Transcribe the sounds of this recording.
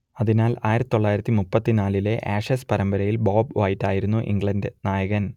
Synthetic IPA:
ɐðinaːlaːjiɾɐtiiːt̪ːoɭːaːjiɾɐt̪ːimupːɐt̪ːinaːlile̞ʔaːʂespɐɾɐmbɐɾɐjilboːbʋɐjitːaːjiɾunːuʔḭŋɡɭɐndnaːjɐɣɐn

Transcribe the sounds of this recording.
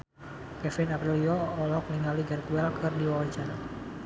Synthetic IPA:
kɛfɪnapɾiliɔːlɔk̚niŋaliɡart̪uɛlkʰɨrdiwawat͡ʃana

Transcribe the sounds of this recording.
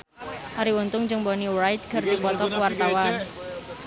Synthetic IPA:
ʔaɾiwont̪ʊŋd͡ʒəŋbɔniwɾajt̪̚ɡ̥ərd̪̥ipɔt̪ɔkuwart̪awan

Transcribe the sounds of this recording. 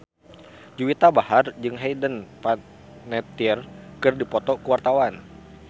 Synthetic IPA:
d͡ʒuwit̪abahard͡ʒɨŋɦejdənpa | nɛt̪irkɨrdipɔt̪ɔkəwart̪awan

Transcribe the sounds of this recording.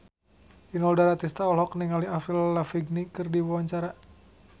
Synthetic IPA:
inɔldaɾat̪ist̪aɔlɦɔkniŋaliafilːafiɡ̚nikɨrdiwawaɲt͡ʃaɾa

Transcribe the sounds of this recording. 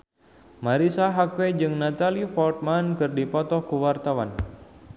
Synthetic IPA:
maɾisaɦakwed͡ʒɨŋnat̪alifɔlt̪̚mankɨrdipɔt̪ɔhkuwart̪awan

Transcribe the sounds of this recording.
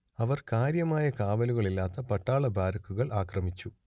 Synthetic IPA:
ɐʋɐrkaːɾjɐmaːjɐkaːʋɐluɣɐɭilːaːt̪ːɐpɐʈːaːɭɐbʱaːɾɐkːuɣɐɭʔaːkrɐmit͡ɕːu

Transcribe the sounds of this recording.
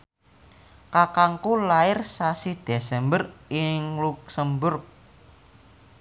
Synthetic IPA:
kakaŋkulaɪrsasid̪̥esɛmbərɪŋluk̚səmbʊrk̚

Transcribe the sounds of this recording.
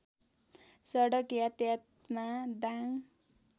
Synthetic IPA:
sʌɽʌkjat̪jat̪ | mad̪aŋ

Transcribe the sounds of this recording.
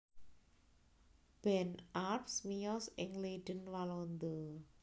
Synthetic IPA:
b̥ɛnʔapsmijɔsɪŋleɖ̥ənwalond̪o

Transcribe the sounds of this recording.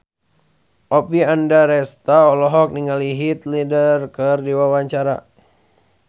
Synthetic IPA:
ʔɔpiandaɾɛst̪aɔlɔɦɔk̚niŋaliɦit̪lidərkərdiwawaɲt͡ʃaɾa̰

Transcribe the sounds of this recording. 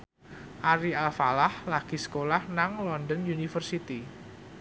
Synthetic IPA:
ʔaɾialfalahlaɡ̥isə̥kolahnaŋlɔndɔnjunifərsit̪i

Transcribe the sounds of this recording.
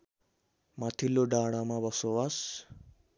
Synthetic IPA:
mat̪ʰilːoɖaɽ̃amabʌsowas

